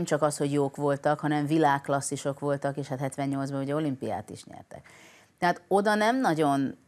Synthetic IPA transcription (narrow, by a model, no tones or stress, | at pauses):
mt͡ʃɒkɒsho̞ɟjoːkʋo̞lt̪ɒkhɒnɛɱvilaːkːlɒsːiʃo̞kʋo̞lt̪ɒkeːʃhat̪ɦɛt̪ʋɛɲːɲo̞lzbɒuɟɛo̞limpija̰ːt̪ḭʃɲɛ̰rt̪ɛ̰k | t̪ɛɦaːt̪o̞d̪ɒnɛmnɒɟo̞n